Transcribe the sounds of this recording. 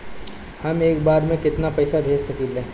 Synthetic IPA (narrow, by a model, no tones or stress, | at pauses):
hɐmeːkbaːɾmẽkɪt̪napɛːsabʱeːd͡ʒsɐkilẽː